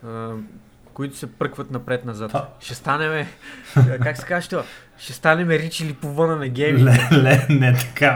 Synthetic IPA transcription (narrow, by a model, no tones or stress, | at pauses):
koit̪ʊ̥sɛpɾɤkvɐt̪nɐpɾɛt̪nɐzat̪ʃɛst̪anɛmɛ | kaksɛ̥kazəʃt̪oa | ʃɛst̪anɛmɛɾit͡ʃilipovɤnənɐɡʲɛmilɛlɛnɛt̪ɐ̥ka